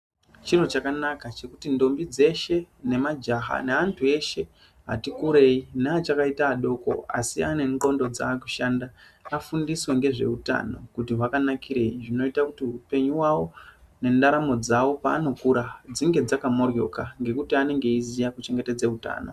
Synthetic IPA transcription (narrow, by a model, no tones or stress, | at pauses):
t͡ʃirot͡ʃakanakat͡ʃe̞kutindo̞mbid͡ze̞ʃe̞ne̞mad͡ʒaɦa̰neantʰue̞ʃe̞ | ɦa̰tikuɾe̞inaːt͡ʃakaitaːɗo̞ko̞̰a̰siane̞ŋɡo̞ndo̞d͡za̰ːku̥ʃandaːfundiswe̞ŋɡe̞ʐe̞̰uta̰no̞̰kutiɦwakanakʰiɾe̞iʐino̞itakutiupe̞ɲuwawo̞ | ne̞ndaɾamo̞d͡zawo̞paːno̞kuɾad͡ziŋɡe̞d͡zakamo̞rjo̞̰kaŋɡe̞kutiane̞ŋɡe̞izijakut͡ʃe̞ŋɡe̞ted͡zeuta̰ːno̞̰